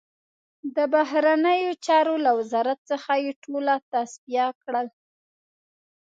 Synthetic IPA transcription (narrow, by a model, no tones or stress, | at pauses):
d̪əbaɦɾanəjot͡ʃɑɾolawɪzɑɾat̪̚səxajeʈʰolat̪asbijakɽəl